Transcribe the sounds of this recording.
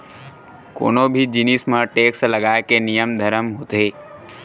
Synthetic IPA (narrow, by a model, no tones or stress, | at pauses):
ko̰nobʱid͡ʒinismãʈeksləɡaːjkenijəmd̪ʱəɾəmɦot̪e